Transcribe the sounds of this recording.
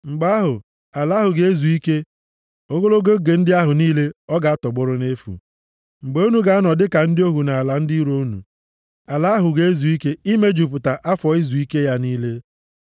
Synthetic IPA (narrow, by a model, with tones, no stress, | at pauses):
ŋ͡m̩˨ɡ͡ba˦ɦʊ˨ | a˨la˨˦ɦʊ˨ɡe˦e˦zu˨i˦ke˦ | o˦ɡo˦lo˦ɡo˦ɡe˨n̩˦dɪ˦a˦ɦʊ˨niː˦le˦ɔ˦ɡa˨a˦tɔ˨ɡ͡bʊ˦ɾʊ˦ne˦fṵ˨ | ŋ͡m̩˨ɡ͡be˨˦o˦nu˨ɡa˨˦a˦nɔ˨dɪ˦ka˨n̩˦dɪ˦o˦ɦu˨na˨a˨la˨n̩˦di˦ɾo˦nṵ˨ | a˨la˦ɦʊ˨ɡe˨e˦zu˨i˦ke˦i˦me˦d͡ʒu˨p̬ʊ˨ta˨ʔa˦fɔ˨i˦zu˨i˦ke˦ja˦niː˦le˦